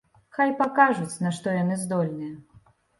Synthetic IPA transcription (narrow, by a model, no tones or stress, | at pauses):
xajpakaʐut͡sʲnaʂt̪ɔjanɨzd̪ɔlʲnɨjɛ